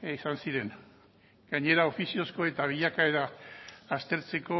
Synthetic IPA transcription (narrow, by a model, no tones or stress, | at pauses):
isansiɾe̞n | ɡ̥aɲe̞ɾao̞fisio̞sko̞e̞t̪aβ̞iʎakae̞ɾaː | st̪e̞ɾt͡se̞ko̞